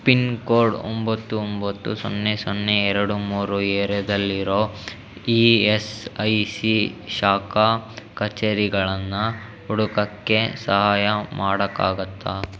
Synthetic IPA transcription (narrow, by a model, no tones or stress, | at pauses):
pinkoːɾɖo̰mbɐt̪ːuombɐt̪ːṵsonːesonːeɛɾɐɽumuːɾueːɾed̪ɐlːiɾo̞ː | iːesɐjsiʃaːkakɐt͡ʃeːɾiɡɐɭɐnːɐ | uɽukɐkːe̞sɐɦaːjɐmaːɽɐkːa̰ːɡɐt̪ːa